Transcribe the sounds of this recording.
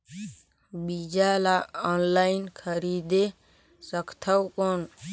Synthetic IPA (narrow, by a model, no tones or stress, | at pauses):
bid͡ʒalaɔnlainkʰəɾid̪e | səkʰt̪ʰəwkon